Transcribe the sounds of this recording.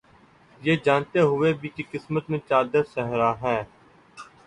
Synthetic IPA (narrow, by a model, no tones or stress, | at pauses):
jeːd͡ʒaːnt̪eɦʊʋebʱikikɪsmət̪mẽt͡ʃaːd̪əɾsɛɦɾaːɦɛ̃ː